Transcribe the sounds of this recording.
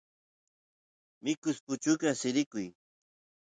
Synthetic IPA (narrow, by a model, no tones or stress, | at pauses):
mɪkʊspʊt͡ʃʊkasɪɾɪkʊj